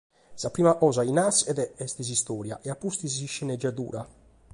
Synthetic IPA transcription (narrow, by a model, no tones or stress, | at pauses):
sapɾiːmaʔɔzainasɛðɛɛst̪is̬ist̪ɔːɾja̰ʔɛapːust̪iziʃːɛnɛd͡ʒːat̪ṵːɾa